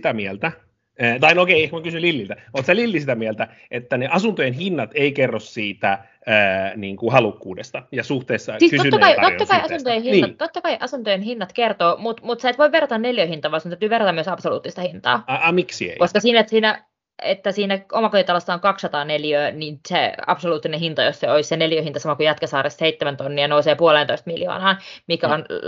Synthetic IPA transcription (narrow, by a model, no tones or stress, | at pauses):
t̪æmielt̪æ | əːt̪ɑinokeiehkmækysynlilːilt̪æoːt̪sælilːisit̪æmielt̪æ | et̪ːæneʔɑsunt̪ojenhinːɑt̪eikerːossiːt̪æ | əːniːŋkuhɑlukːuːdḛst̪ɑjɑsuht̪eːsːɑsiːskytoyːɑkɑiot̪ːɑkkɑiɑunt̪ojehinniːɑt̪t̪ot̪ːɑkɑiʔɑsunt̪ojenhinːɑt̪kert̪oːmut̪mut̪seet̪ʋoiʋʋerːɑt̪ɑnneljøːhint̪ɑːʋɑːsunæyt̪yːʋerːɑt̪ɑmyøsɑpsolṵːt̪ːist̪ɑhint̪ɑ̰ːmiksiḛikoskɑsiːnæet̪siːnæ | et̪ːæsiːnæʔomɑkoit̪ɑlɑsːɑoŋkɑksːɑt̪ɑːneljøːninsḛɑ̰psoluːt̪ːinehint̪ɑjosseoisseneljøːhint̪ɑsɑmɑkujɑt̪kɑsɑːresseit̪ːemænt̪onːiɑnouseːpuolent̪oist̪miljo̰ːnɑːmikæon